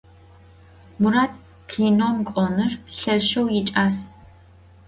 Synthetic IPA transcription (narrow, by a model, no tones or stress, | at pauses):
muɾaːt̚ʰʼ | kʰiːnomkʷʼɔnɨrɬɐʃɐwjɪt͡ʃʼaːs